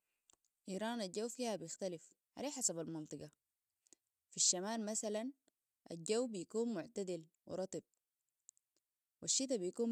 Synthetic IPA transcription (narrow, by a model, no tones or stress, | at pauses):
ʔiːɾˤɑːnaɟawːfiːhabijɪxt̪alif | ʕa̰leːħasabalmɑnt̪ˤɨɡɑ | fiʃːamaːlmasalan | ʔa̰ɟːawːbijakuːnmʊʕt̪ad̪ilwḭɾˤɑt̪ˤɨb̚ | waʃːit̪̬abijkuː